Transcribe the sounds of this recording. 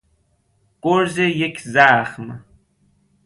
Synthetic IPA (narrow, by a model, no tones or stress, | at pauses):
ɡ̥oɾzejekʰzaːχm